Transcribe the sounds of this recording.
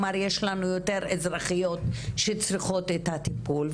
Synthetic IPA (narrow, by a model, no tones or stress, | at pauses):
maɾjeʃlanujoteɾezɾaχijo̞tʃet͡sɾiχo̞tet̪atipulv